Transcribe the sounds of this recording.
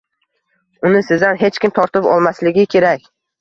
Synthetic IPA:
ʊnɪsɪzanɦe̞t͡ʃkʲɪmt̪ʰɒɾt̪ɪpɒ̰lˠmaslɪɡʲɪkʲʰe̞ɾakʲ

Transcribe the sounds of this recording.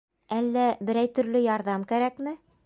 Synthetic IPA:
ælːæbɘ̆ɾæjt̪ɵ̆ɾlɵjɑɾðɑmkæɾækmɘ

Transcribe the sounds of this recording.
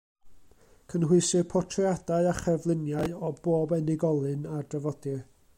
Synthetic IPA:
kʰənɦʊɨsɨpʰɔtʰrjadaɨaχɛvlˠɪnjaɨɔboːbɛnɪɡɔlˠɨnadrəvɔdɨ

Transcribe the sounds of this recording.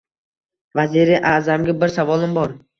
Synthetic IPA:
vaziɾiʔaːzamɡʲabɪɾsavɒlˠɪmbɒɾ

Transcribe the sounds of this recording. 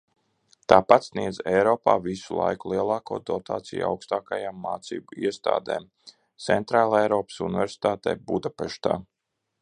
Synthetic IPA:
t̪aːpat̪sniɛd̪zɛjɾɔːpa̰ːvisulˠa̰jkulˠiɛlˠaːkoːd̪ɔt̪a̰ːt̪sḭja̰wkst̪aːkajaːmːaːt̪sḭːbuiɛst̪a̰ːd̪ḛːm | t̪sɛnt̪ɾaːlˠɛjɾɔːpsunivʲɛɾsi̥t̪aːt̪ɛ̰ːbud̪apɛʃt̪a̰ː

